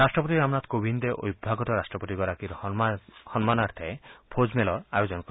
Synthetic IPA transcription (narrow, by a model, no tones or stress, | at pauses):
ɾasʈɾɔp̬ɔt̪iɾamnat̪kobʱind̪eʔo̰jbʱːaɡɔt̪ɔɾasʈɾɔpɔt̪iɡɔɾakiɾ | hɔnɔmanaɾt̪ʰaepʰod͡ʒmelɔajod͡ʒɔnkɔɾi